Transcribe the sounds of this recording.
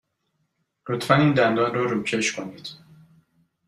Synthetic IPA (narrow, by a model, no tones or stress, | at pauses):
lot̪ʰfæniːnd̪ænd̪ɒːnrɔːɾuːcʰeʃkʰoniːd̪̥